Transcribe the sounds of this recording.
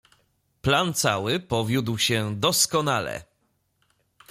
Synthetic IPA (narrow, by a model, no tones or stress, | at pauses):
plant̪sawɘpɔvʲjud̪wɕɛd̪ɔskɔnalɛ̰